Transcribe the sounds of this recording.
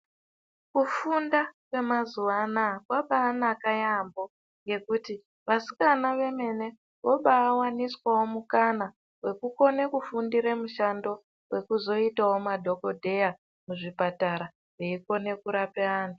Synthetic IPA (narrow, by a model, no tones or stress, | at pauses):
kufundakwe̞mazuʋanakwaɓaːnakajambo̞ | ŋɡe̞kuti | ʋasi̥kanaʋe̞me̞ne̞ | ʋoɓaːwaniswawo̞mukana | we̞kuko̞ne̞kufundiɾemuʃando̞ | we̞kuzo̞itawo̞madʱo̞ko̞dʱe̞ja | muʐipataɾa | reiko̞ne̞kuɾapeaːnu